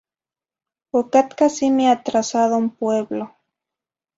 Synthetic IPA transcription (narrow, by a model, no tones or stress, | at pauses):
okat̪kasimeat̪ɾasaðoumpweβlo